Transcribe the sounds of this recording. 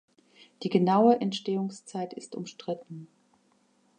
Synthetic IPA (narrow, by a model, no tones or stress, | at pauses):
d̥iːɡənaʊəʔɛntʃteːʊŋst͡saɪtɪstʊ̰mʃtʁ̥ɪtn̩